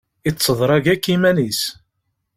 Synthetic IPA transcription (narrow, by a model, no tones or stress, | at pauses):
it͡sːəðˤɾˤɑʝækːimænis